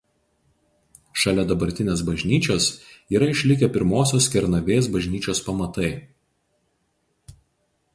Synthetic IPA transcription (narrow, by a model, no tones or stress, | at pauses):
ʃɐlʲɛd̪ɐbɐɾʲt̪ʲɪnʲeːsbɐʒʲnʲiːt͡ʃʲoːsiːɾɐɪʃʲlʲɪkʲɛpʲɪɾmoːsʲoːskʲɛɾnɐʋʲeːs̬bɐʒʲnʲiːt͡ʃʲoːspɐmɐt̪ɐɪ